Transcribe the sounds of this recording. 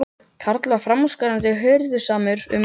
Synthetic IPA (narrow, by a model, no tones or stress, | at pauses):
kʰaɾt̪lafɾamskaɾant̪ɪɦœɥɾðʏsaːmʏɾʏ̰m